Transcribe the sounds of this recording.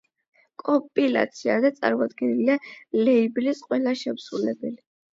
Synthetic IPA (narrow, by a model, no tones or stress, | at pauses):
kʼɔpʼila̰t̪sʰiad̪at̪sʼa̰ɾmɔd̪ɡɛnilialɛiblisqʼwɛlaʃɛpsɾulɛbɛli